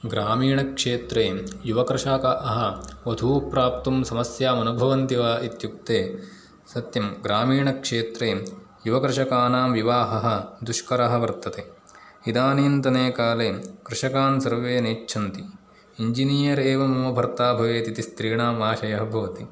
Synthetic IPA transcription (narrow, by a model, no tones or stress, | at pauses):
ɡɾaːmiːɳɐkʂeːt̪ɾeːjuʋɐkɾɪʂaːkɐʔɐɦɐʋɐd̪ʱuːpɾaːp̚t̪umsɐmɐsjaːmɐnubʱɐʋɐnt̪iʋaːʔit̪juk̚t̪eː | sɐt̪jɐmɡɾaːmiːɳɐkʂeːt̪ɾeː | juʋɐkɾɪʂɐkaːnaːmʋiʋaːɦɐɦɐ̆d̪uʃkɐɾɐɦɐ̆ʋɐɾt̪ɐt̪eː | id̪aːniːnt̪ɐneːkaːleːkɾɪʂɐkaːnsɐɾʋeːneːʈːʃʰɐnt̪i | iɲd͡ʒiniːjɐɾeːʋɐmɐmɐbʱɐɾt̪aːbʱɐʋeːt̪it̪ist̪ɾiːɳaːmaːʃɐjɐɦɐbʱɐʋɐt̪i